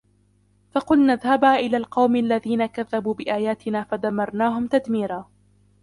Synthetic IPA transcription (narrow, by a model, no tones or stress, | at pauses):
fɑqʊlnaðhabaːʔɪlaːlqɑwmalːaðiːnakaðːabuːbɪʔaːjaːt̪ɪnaːfad̪amːɑɾˤnaːɦʊmt̪ad̪miːɾaː